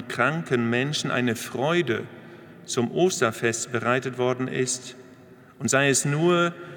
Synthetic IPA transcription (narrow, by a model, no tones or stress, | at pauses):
nkʁ̥aŋkənmɛnʃn̩ʔa̰ɪnəfʁ̥ɔʏdə | t͡sʊmʔoːstɐfɛstb̥əʁaɪtətv̥ɔɐdn̩ʔɪ̰st | ʔʊntz̥aɪɛsnuːɐ